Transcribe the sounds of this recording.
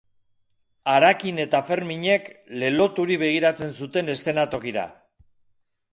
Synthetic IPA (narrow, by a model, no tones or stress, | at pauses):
aɾakine̞t̪afe̞ɾmiɲe̞kle̞lo̞t̪uɾiβe̞ɣ̞iɾat͡se̞nsut̪e̞ne̞st̪e̞nat̪o̞kiɾa̰